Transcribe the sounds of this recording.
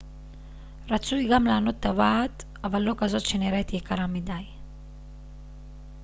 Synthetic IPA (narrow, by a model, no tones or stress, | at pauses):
ɾat͡sujɡamlaːno̞t̪ːavat̪ | avalːo̞kazo̞t̪ʃeniɾet̪jekaɾamidaj